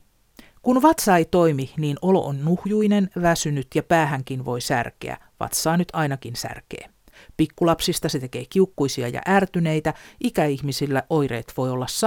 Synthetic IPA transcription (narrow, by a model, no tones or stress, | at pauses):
kunʋɑt̪sɑejt̪o̞jminiːno̞lo̞̰ʔonːuhjujne̞nʋæsynyt̪jɑpæːɦæŋkinʋo̞jsæ̰rke̞̰æ̰ | ʋɑ̰t̪sɑːnyt̪ʰɑjnɑkinsæ̰rke̞̰ː | pikːulɑpsist̪ɑset̪e̞ke̞ːk̟iukːujsiɑ̰jɑ̰ʔæːrt̪yne̞jt̪æʔikæihmisilːæʔo̞jɾe̞̰ːt̪ʋo̞jo̞lːɑsːɑ